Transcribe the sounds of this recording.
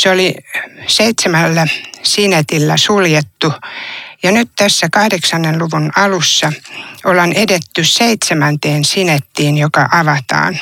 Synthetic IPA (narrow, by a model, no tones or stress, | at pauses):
seoliseit̪semælːæsinet̪ilːæsuljet̪ːujɑnyt̪t̪æsːækɑhdeksɑnːenluʋunɑlusːɑolɑnedet̪ːysseit̪semænt̪eːnsinet̪ːiːnjokɑʔɑʋɑt̪ɑ̰ːn